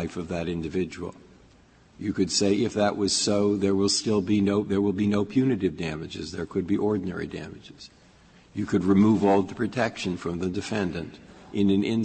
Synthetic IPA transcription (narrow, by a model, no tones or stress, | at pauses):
ɪfʌvðɨɾɪ̃ndɨvɪd͡ʒɨw̰l̩ˠ | jɨkɨd̥seɪʔɨfðəʔwʌz̥soʊðə˞wɪlˠstɪlˠbinoʊðə˞wəlˠbinoʊpʰj̥ʉnɨɾɨvdæmɨd͡ʒɨ̰zðə˞kʰɨd̚biʔɔɹdⁿn̩ɛ̰ɹḭdæ̰mɨd͡ʒɪz̥ | jɨkʰɨd̚ɹɨmuvɔlˠðəpʰɹ̥ɨtʰɛkʃɨ̃nfɹʌ̃mðɨdɨfɛ̃ndɨ̃ntʔɨ̃nɨ̃nɪ̃n